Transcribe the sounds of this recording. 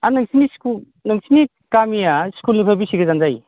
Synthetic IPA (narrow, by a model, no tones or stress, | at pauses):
anɯŋsinisku | nɯŋsʰini | kamijaskulnipʰabisiɡɐzanzaj